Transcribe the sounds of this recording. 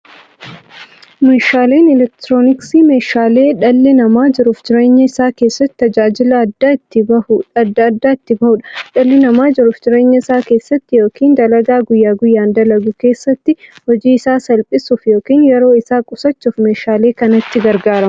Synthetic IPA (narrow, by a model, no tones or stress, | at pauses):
meːʃaːle̞ːnɪlɛk̚t̪ɾoːnɪksiːme̞ːʃaːle̞ːᶑɐlːɪnɐmaːd͡ʒɪɾʊfd͡ʒɪɾe̞ːɲːɐɪsaːke̞ːsːɐt̪ːɪ̥t̪ɐd͡ʒaːd͡ʒɪlɐːd̪ːaːɪt̪ːɪbɐhʊᶑɐd̪ːɐɐd̪ːaːɪt̪ːɪbɐhʊᶑɐ̥ᶑɐlːɪnɐmaːd͡ʒɪɾʊfd͡ʒɪɾe̞ːɲːɐɪsaːke̞ːsːɐt̪ːɪjo̞ːkʰiːnd̪ɐlɐɡaːɡʊjːaːɡʊjːaːnd̪ɐlɐɡʊke̞ːsːɐt̪ːɪhɔd͡ʒiːɪsaːsɐlpʼɪsufjo̞ːkiːnjɛɾo̞ːɪsaːkʼʊsɐt͡ʃːʊfme̞ːʃaːle̞ːkɐnɐt̪ːɪɡɐɾɡaːɾɐm